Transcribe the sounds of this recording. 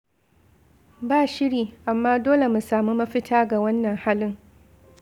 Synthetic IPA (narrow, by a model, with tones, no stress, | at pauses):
baː˦˨ʃɪ˦ɽiː˨ʔa˨mːaː˦doː˦le˨mu˨saː˨mu˦mɐ˦ɸɪ˦tʰaː˦ɡa˨wɐ˦nːɐ˨ŋhaː˦lɪ˦ŋ